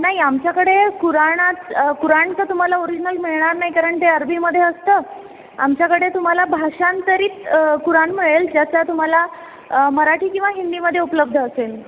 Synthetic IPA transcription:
naɦiamt͡ɕjakəɽekuɾaɳat͡skuɾaɳt̪ət̪um̤alaoɾid͡ʑinəlmiɭɳaɾnaɦikaɾəɳt̪eəɾbʱiːməd̪ʱːjeəst̪əː | a̰mt͡ɕjakəɽet̪um̤alabʱaʂant̪əɾiːt̪kuɾaɳmiɭeld͡ʑjat͡sat̪um̤ala | məɾaʈʰiːkĩw̃ʋaɦind̪iməd̪ʱjeupləb̚d̪ʱəːsel

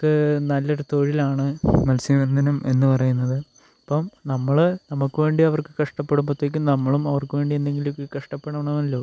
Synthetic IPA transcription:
kːɨnɐlːɐɽut̪o̞ːɻilaːɳɨmɐlsiʋɐnd̪ʱɐnɐme̞̰nːɨpɐrɐjunːɐðɨ | ɐpːɐmnɐmːɐɭnɐmukːɨʋe̞ːɳɖiɐʋɐrkɨ̥kɐʂʈɐpːeɽumpot̪ːek̬ʲːumnɐmːɐɭumɐʋɐrkːɨʋe̞ːɳɖienːe̞ŋɡilokːɨkɐʂʈɐpːeɽɐmɳɐmɐlːo̞ː

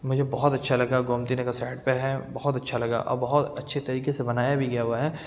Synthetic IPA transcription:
mʊd͡ʒʱebɔɦʊt̪ɐtːʃʰalɐɡaɡoːmt̪inekasaːɪɖpeɦɛbɐɦʊt̪ɐtːʃʰalɐɡa̰ʔɔ̰ːɾbɐɦʊt̪ɐtːʃʰet̪ɐɾiːkesebɐnaːjabʱiɡɐjaɦuaɦɛː

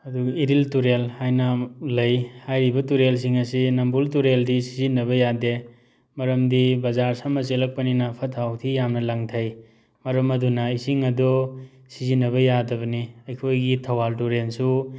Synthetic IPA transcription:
ɐduiɾiltuɾelhajnalɐjhajɾibɐtuɾels̬iŋɐsinɐmbultuɾeldisizinːɐβɐjade | mɐɾɐmdibɐzaɾsamɐselɐk̚pɐninɐpʰɐtʰawtʰijamnɐlɐŋtʰɐj | mɐɾɐmɐdunɐisiŋɐdɔ | sizinːɐβɐjadɐbɐniɐjkʰojɡitʰɐwaltuɾensu

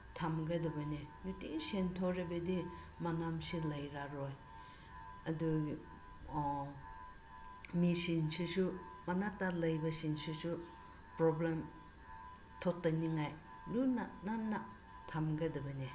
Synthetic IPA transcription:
tʰamɡɐdɐbɐnejutiŋsentʰoɾebedi | manamsilɐjɾaɾoj | ɐdu | misinsisumanatalɐjbɐsinsisu | pɾoblem | tʰɔtːaniŋaj | lunananːa | tʰamɡadɐbɐne

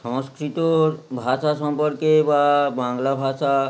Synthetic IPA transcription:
ʃɔ̃ŋskɾit̪obʱaʃaʃɔmpɔɾkebabaŋlabʱaʃa

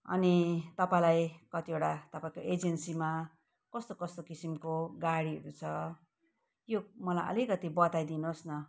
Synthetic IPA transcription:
ʌ̰nit̪ʌpãlajkʌt̪iewɽat̪ʌpaĩkoʔed͡zensima | kʌst̪okʌst̪okisimkoɡaɽiʌ̰ɾut͡sʰʌ | jomʌlajʔʌ̰likʌt̪ibʌt̪ajd̪inosnʌ

